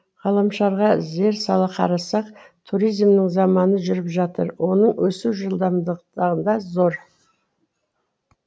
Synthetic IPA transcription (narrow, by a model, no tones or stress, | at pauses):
ʁɑlˠɑmʃɑɾʁɑze̞ɾsɑlˠəqʰɑ̰ɾɑsɑqt̪ʰuɾijzmnɪɴzɑmɑnəʒʏɾɪpʒɑt̪əɾwo̞nəɴwʔɵsuwʒəlˠd̪ɑmd̪əd̪ɑʁənd̪ɑzo̞ɾ